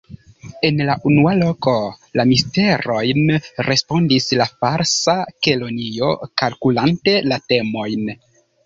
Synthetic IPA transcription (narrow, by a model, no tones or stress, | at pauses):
e̞nlaʔunualo̞ko̞lamiste̞ɾo̞jnɾe̞spo̞ndislafaɾsakelo̞nio̞kalkulante̞late̞mo̞jn